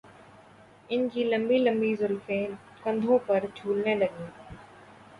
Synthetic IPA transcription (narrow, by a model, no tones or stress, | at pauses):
ɪnd͡ʑiːlɐmbiːlə̃mbiːzʊlfeː | kɐ̃nd̪ʱõpɐɾd͡ʒʰʱuːlnẽːlɐɡĩː